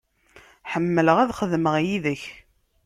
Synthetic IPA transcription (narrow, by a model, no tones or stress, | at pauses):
ħəmːələʁæðχəðməʁjiðəç